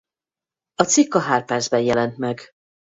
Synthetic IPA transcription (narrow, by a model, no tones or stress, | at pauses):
ɒt̪sikːɒɦaːrpɛrd̪zbɛnjɛlɛnt̪mɛɡ